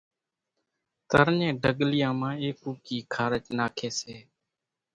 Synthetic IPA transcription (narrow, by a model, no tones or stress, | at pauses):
t̪əɾɲẽːɖəɠlɪjãːmãːeːkuːkiːkʰaːɾət͡ʃnaːkʰeːseː